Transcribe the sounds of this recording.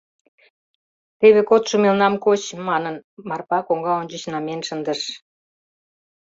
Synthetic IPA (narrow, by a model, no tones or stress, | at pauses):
t̪eβekot̪ʃumelnɑmkot͡ɕmɑnənmɑrpɑkoŋɡɑonʲt͡ɕət͡ɕnɑmenʃə̆nd̪əʃ